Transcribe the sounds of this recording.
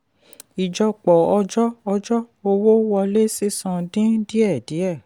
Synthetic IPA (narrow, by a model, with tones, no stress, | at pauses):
i˨d͡ʒɔ˧k͡pɔ˨ɔ˧d͡ʒɔ˦ɔ˧d͡ʒɔ˦o˧wo˦wɔ˧le˦si˦sɔ̃˧dĩ˦di˦ɛ˦˨di˨˦ɛ˦˨